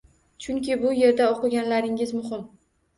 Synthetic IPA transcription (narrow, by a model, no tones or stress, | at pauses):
t͡ʃʰʊŋkʲɪbʊje̞ɾd̪aoqɨɡʲanlaɾɪŋɪzmʊɦɪm